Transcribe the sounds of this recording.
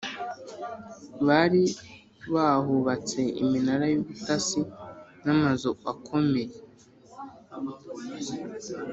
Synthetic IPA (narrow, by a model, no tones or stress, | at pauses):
βaɾi | βahuβat͡se̞ḭminaɾajuβutasinamazoakʰo̞me̞je